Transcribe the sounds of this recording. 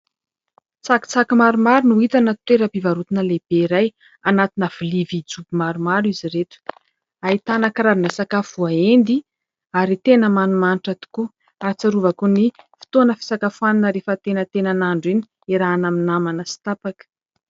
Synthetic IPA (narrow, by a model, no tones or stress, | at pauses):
t͡saki̥t͡sakimaɾumaɾunuit̪anət̪weɾəpivaɾut̪inəleb̥eiɾaj | anat̪inəv̥ilivid͡zubimaɾumaɾiziɾeʈ͡ʂə̥ | ait̪anakɾaɾinəsakafuaend̪i | aɾit̪enəmanumaniʈ͡ʂat̪i̥ku | aɾt͡saɾuvakunifi̥t̪onəfi̥sakafuaninəɾefət̪enət̪enanaɳɖ͡ʐini̥ | eɾaːnaminamanəsi̥t̪apakə̥